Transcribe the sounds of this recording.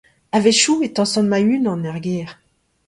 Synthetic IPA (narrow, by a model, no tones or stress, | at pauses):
aveʃuet̪ɑ̃sɔ̃nmaynɑ̃nɛʁɡeːʁ